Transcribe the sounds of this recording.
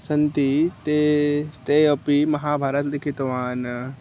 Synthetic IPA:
sɐnt̪it̪et̪eɐpimɐɦaːbʱaːɾət̪lɪkʰɪt̪ʋaːn

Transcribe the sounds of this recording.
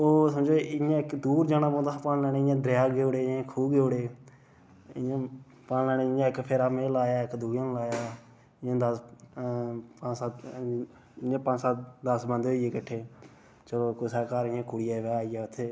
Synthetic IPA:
oːsəmd͡ʒoːɪãːɪkd̪uːɾd͡ʒaːnãːbõːd̪apaːnlɛːneːɪjãːd̪ɾɪjaːɡeoːɽeːɪãːkʰuːɡeoɽeː | ɪãː | paːnlɛːneːɪjãːɪkpʰeɾaːmeːlaːjaːɪkd̪uːjãːnlaːjaː | ɪãːd̪əs | pːa | ɪãːpãːt͡ʃsaːd̪əsbənd̪eɦoːieːkəʈʰːeː | t͡ʃəloːkʊsaːkaːɾɪjãːkʊɽɪjaːʋɛːaːijaːʊt̪ʰːeː

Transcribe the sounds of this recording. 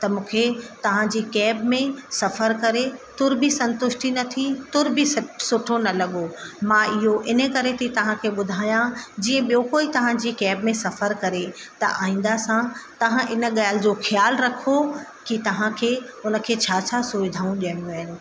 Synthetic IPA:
t̪ɐmũːkʰet̪ɐʋ̤ãd͡ʑiːkɛːbmẽsɐfəɾkɐɾet̪ʊɾbisɐ̃nt̪ʊʃʈinɐt̪ʰit̪ʊɾbʱɪssʊʈʰonɐlɐɠomãɪɦoʔɪnə̆kɐɾet̪ʰit̪ɐʋ̤ãkʰeːɓʊd̪ʱaːjãd͡ʑiːə̃ɓijoːkoːit̪ɐʋ̤ãd͡ʑiːkɛːbmẽsɐfəɾkɐɾe | t̪ɐ̰ʔaːɦĩːn̆d̪asãt̪ɐʋ̤ãʔɪnə̆ɠaːlɪd͡ʑoːxjaːlɾɐkʰo | kit̪ɐʋ̤ãkʰeːʊnə̆kʰeːt͡ɕʰaːt͡ɕʰasoːʋɪd̪ʱaːũɗiəɽ̃jũaːɦɪnɪ̆

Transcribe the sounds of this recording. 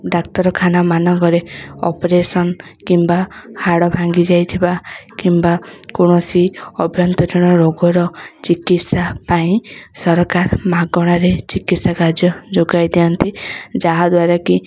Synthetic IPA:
ɖak̚t̪ɔɾɔkʰanamanɔŋkɔɾeɔ̰pɾesɔnkimbahaɽɔbʱaŋɡid͡ʒajt̪ʰibakimbakoɽ̃ɔsiɔbʱjɔnt̪ɔd̪ɔɽ̃ɔɾoɡɔɾɔt͡ʃikit̪sapaĩsɔɾɔkaɾmaɡɔɽ̃aɾet͡ʃikit̪sakaɾd͡ʒjɔd͡ʒoɡajd̪iɔnt̪id͡ʒaɦad̪waɾaki

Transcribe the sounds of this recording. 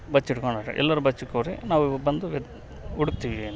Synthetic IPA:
bɐt͡ʃːiʈkoɳaːɾɐ̰ʔɛ̰lːɐɾubɐt͡ʃːikːoɾinaːʋubɐnd̪uʋ | uɽuk̚t̪iːʋieːn

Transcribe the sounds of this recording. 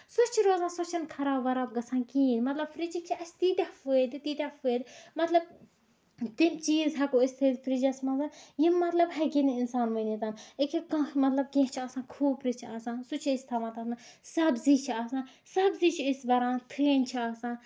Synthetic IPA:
sut͡ʃʰiɾoːzãːsɔt͡ʃʰɐnkʰɐɾaːʋɐɾaːb̚ɡɐsʰãːnkĩːnmɐt̪lɐbfɾit͡ʃik̚t͡ʃʰiɐt͡ʃʰt̪iːt̪ʲɐhfud̪it̪iːt̪ʲɐfeːd̪mɐt̪lɐb̚ | t̪imt͡ʃiːzɦɐkoist̪ʰeːd̪fɾid͡ʒɐsmɐzanjimːɐt̪lɐbɦɐkiniinsaːnʋɐnit̪aːnikʲikɐ̃mɐt̪lɐb̚kẽɦt͡ʃʰiaːsãːkʰuːbɾit͡ʃʰiaːsãːnsut͡ʃʰiist̪ʰɐʋãːt̪ɐːsasɐbziːt͡ʃʰiaːsãː | sɐbziːt͡ʃʰiɪsbɐɾãːnt̪ʰeːnʲt͡ʃʰiaːsãːn

